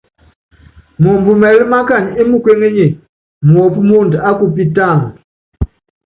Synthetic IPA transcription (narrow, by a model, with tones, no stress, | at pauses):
mɔ˨mbu˨mɛ˨li˦ma˦ka˦˨ɲ˨i˦mu˨kwe˦ŋe˦ɲe˨ | m˨ɔ˨pu˦mo˦nda˦ku˨pi˦ta˦˨ŋ˨